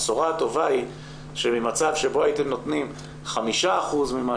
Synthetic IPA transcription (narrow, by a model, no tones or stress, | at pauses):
soʁato̞vai | ʃemimat͡savʃe̞bo̞ajit̪emno̞t̪nim | χamiʃaːχuzmima